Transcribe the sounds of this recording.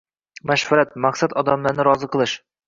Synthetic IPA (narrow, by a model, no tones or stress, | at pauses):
mæʃfæɾat̪̚mɑqsat̪ɒd̪amlˠaɾnɨɾɒzɤqɤ̆lˠɤʃ